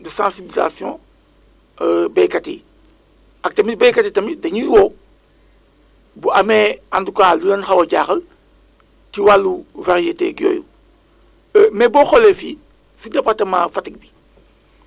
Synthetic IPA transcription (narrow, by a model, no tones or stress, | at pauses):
dəsãsibiliza̰sjɔ̰̃ | bɛkatḛ | ɐk̚tɐmibɛjkatetɐmidɐɲujwo | buɐmɛandukaːlulɐnxɐwɐɟaːxɐl | tiwalːuvaɾijetḛːɡjo̰ːjṵ | mɛbɔxɔlefi | sudɐpɐtɐma̰fɐtiɡ̚bi